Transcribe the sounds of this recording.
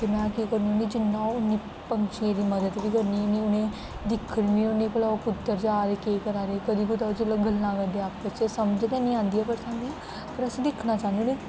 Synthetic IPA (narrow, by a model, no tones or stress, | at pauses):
t̪eːmɛ̃ːkiːkəɾnãːɡiːd͡ʒɪnːãːʊnːiː | pəŋt͡ʃeːɾiːməd̪əd̪ʋiːkəɾniːnĩːʊnẽː | d̪ɪkʰːəɽʋĩːʊnːiːpəlaːokʊt̪ːəɾd͡ʒaːɾeːkeːkəɾaːɾeːkəd̪iːkʊt̪aːd͡ʒəlaɡəlːãːkənd̪eaːpbət͡ʃesəmd͡ʒd̪ɛːnĩːãːnd̪iaːpəɾsaːnd̪iã | pəɾəsĩːd̪ɪkʰnaːt͡ʃaːnd̪inẽː